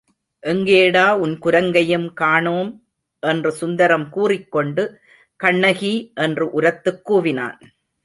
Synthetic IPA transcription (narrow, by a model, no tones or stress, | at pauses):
ʔɛŋɡeːɽaːʊnkʊɾɐŋɡɐjɯmkaːɳoːm | ʔɛndrɯsʊnd̪ɐɾɐmkuːrɪkːɔɳɖɯ | kɐɳːɐɣiʔɛndrɯʔʊɾɐt̪ːɯkːuːʋɪna̰ːn